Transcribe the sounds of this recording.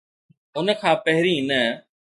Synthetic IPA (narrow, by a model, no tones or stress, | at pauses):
ʊnə̆kʰãːpɐɦɪɾĩːnə